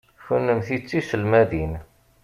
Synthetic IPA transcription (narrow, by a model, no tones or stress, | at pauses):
fənːəmθit͡sːisəlmæðin